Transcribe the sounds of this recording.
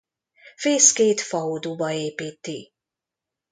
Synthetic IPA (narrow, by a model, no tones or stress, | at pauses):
feːskeːt̪fɒoːd̪ubɒeːpiːt̪ːi